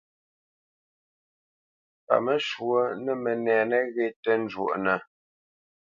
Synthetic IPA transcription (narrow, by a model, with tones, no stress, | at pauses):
pa̰˨mə˦ʃwə˦nə˨mə˨nɛː˨nə˦ɣe˦tə˦n˦d͡ʒwo̰˨ʔnə˨